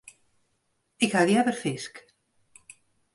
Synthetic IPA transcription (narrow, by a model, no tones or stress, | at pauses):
ekaðiaβeɾfesk